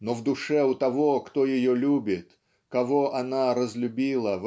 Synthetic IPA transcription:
novd̪ʊʂɛʊt̪ɐvokt̪ojɪjolʲubʲɪt̪ | kɐvoʔɐnaɾəzlʲʊbʲilˠəv

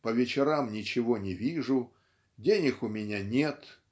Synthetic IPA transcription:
pəvʲɪt͡ɕɪɾamnʲɪt͡ɕɪvonʲɪvʲiʐʊ | dʲenʲɪxʊmʲɪnʲanʲet̪

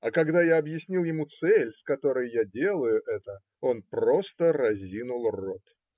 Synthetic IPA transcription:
ɐkɐɡd̪ajaɐbjɪsʲnʲilˠjɪmut̪sɛlʲskɐt̪o̞ɾəjjadʲe̞lˠəjʊʔɛt̪ə | o̞npɾro̞st̪əɾɐzʲinʊlˠro̞t̪

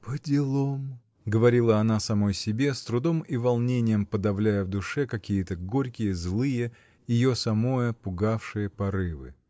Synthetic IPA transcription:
pədʲɪlˠom | ɡəvɐɾʲilˠəɐnasɐmojsʲɪbʲe̞st̪ɾʊd̪o̞mivɐlˠnʲenʲɪjəmpəd̪ɐvlʲæjəvd̪ʊʂɛkɐkʲijət̪əɡo̞ɾʲkʲɪjəzlˠɨjə | jɪjo̞sɐmo̞jəpʊɡafʂɨjəpɐɾɨvɨ̰

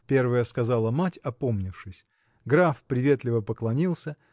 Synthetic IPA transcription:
pʲe̞rvəjəskɐzalˠəmatʲɐpo̞mnʲɪfʂɨsʲ | ɡɾafpɾʲɪvʲe̞t̪lʲɪvəpəklˠɐnʲilˠsʲə

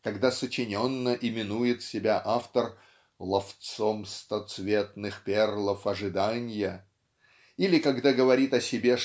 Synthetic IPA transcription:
kɐɡd̪asət͡ɕɪnʲo̞nːəʔɪmʲɪnujɪt̪sʲɪbʲaʔaft̪ər | lˠɐft̪somst̪ɐt̪svʲe̞t̪nɨxpʲerlˠəfɐʐɨd̪anʲɪjə | ilʲɪkɐɡd̪aɡəvɐɾʲit̪ɐsʲɪbʲe

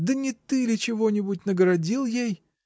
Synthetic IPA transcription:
d̪ənʲɪt̪ɨlʲɪt͡ɕɪvo̞nʲɪbʊtʲnəɡəɾɐdʲilˠjej

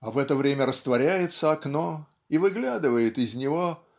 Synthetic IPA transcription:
ɐvɛt̪əvɾʲemʲəɾəst̪vɐɾʲæjɪt̪səɐkno | ivɨɡlʲad̪ɨvəjɪt̪ɪzʲnʲɪvo̞

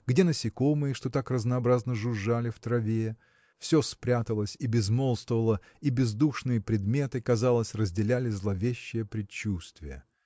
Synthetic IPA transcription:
ɡdʲe̞nəsʲɪko̞mɨjəʂt̪o̞t̪akrəznɐːbɾaznəʐʊʐalʲɪft̪ɾɐvʲe | fsʲospɾʲat̪əlˠəsʲibʲɪzmo̞lˠst̪əvəlˠə | ibʲɪzd̪uʂnɨjəpɾʲɪd̪mʲe̞t̪ɨkɐzalˠəsʲrəzʲdʲɪlʲælʲɪzlˠɐvʲeɕːɪjəpɾʲɪt͡ɕːust̪vʲɪjə̰

